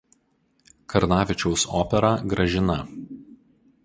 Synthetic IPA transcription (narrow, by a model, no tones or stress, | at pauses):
kɐɾnɑːʋʲɪt͡ʃʲɛʊsɔ̰ːpʲɛɾɑːɡɾɐʒʲɪnɐ